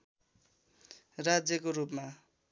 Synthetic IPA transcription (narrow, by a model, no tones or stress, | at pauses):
rad͡zjʌkoɾupma